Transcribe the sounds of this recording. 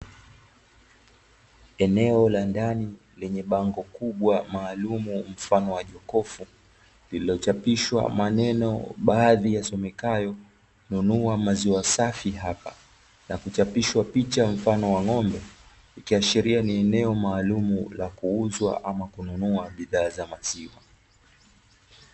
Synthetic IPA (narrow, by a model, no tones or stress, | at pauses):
ɛnɛɔlandani | lɛɲɛɓaŋɡɔkuɓwamaːlumum̩fanɔwaʄɔkɔfu | lililɔt͡ʃapiʃwa̰manɛnɔ̰ɓaːðijasɔmɛkajɔ | nunuamaziwasafiɦapa | nakut͡ʃapiʃwapit͡ʃam̩fanɔwaŋɔmbɛ | ikiaʃiɾianiɛnɛɔmaːlumulakuuzwa̰ʔamakununuaɓiðaːzamasiwa